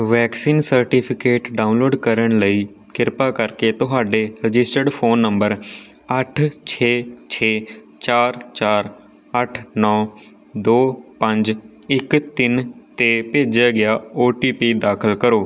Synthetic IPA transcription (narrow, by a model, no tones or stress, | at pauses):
ʋɛːksiːnsəɾʈipʰɪkeːʈɖaːʊnloːɖkəɾəɳ̃ləiː | kɪɾpaːkəɾkeːt̪ʊɦaːɖeːɾɪd͡ʒɪsʈəɾɖpʰoːnːəmbəɾəʈʰt͡ʃʰeːt͡ʃʰeː | t͡ʃaːɾt͡ʃaːɾ | əʈʰnɔː | d̪oːpə̃ɲd͡ʒ | ɪkt̪ɪnt̪eːpeːd͡ʒaːɡɪjaːoːʈiːpiːd̪aːkʰəlkəɾoː